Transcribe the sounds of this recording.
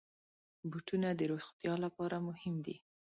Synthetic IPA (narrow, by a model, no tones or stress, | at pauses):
buʈunad̪əɾoxt̪jɑlapɑɾamʊhɪmd̪i